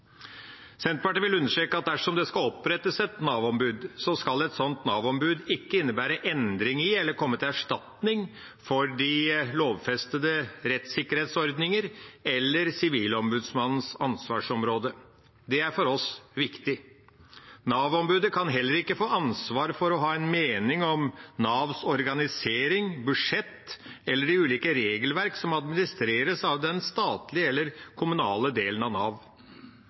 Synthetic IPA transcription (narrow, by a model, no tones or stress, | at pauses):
sɛnt̪̚pɑʈənʋɪlʉnːəʂʈɾeːkəɑt̪̚d̪æʂɔmd̪ɛskɑlɔpɾɛt̪ːəsɛt̪nɑːʋɔmbʉːd̪sɔskɑlɛt̪sɔnt̪nɑːʋɔmbʉːd̪ɪkːəɪnːəbæːɾəʔɛnd̪ɾɪŋɪɛlːəɾkʰɔmːət̪ʰɪlæʂʈɑt̪nɪŋ | fɔɾɖɪloːʋfɛst̪əd̪əɾɛt̪sɪkːəɾheːt̪sɔɾd̪nɪŋəɾɛlːəɾsɪʋiːlɔmbʉːd̪smɑnn̩sɑnsʋɑːʂɔmɾoːd̪ə | d̪ɛæɾfɔɾɔsʋɪkt̪ɪ | nɑːʋɔmbʉːd̪əkʰɑnɦɛlːəɾɪkːəfoːʔɑnsʋɑːɾfɔɾɔɦɑːɛnmeːnɪŋɔmnɑːʋsɔɾɡɑnɪseːɾɪŋbʉʂɛt̪ːɛlːəɖɪʉːliːkəɾeːɡəlʋæɾksɔmɑd̪mɪnɪst̪ɾeːɾəsɑʋd̪ɛnst̪ɑːt̪lɪəɛlːəɾkʰʊmʉnɑːləd̪eːlənɑʋnɑːʋ